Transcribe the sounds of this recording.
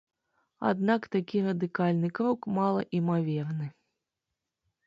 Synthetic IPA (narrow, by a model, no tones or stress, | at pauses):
a̰d̪nakt̪akʲirɐd̪ɨkalʲnɨkɾɔkmalˠɐ̰ʔimavʲɛrnɨ